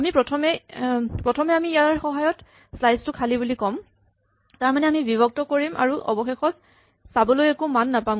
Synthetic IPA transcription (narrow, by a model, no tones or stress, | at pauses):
amipɹɔtʰɔmɛpɹɔtʰɔmɛamiːjaɹxɔɦajɔt | slajstʊkʰalibulikɔm | taɹmanɛamibibɔk̚tɔkoɹimʔa̰ɹuʔɔ̰bɔxexɔt̚ | sabɔlojɛkumanːapam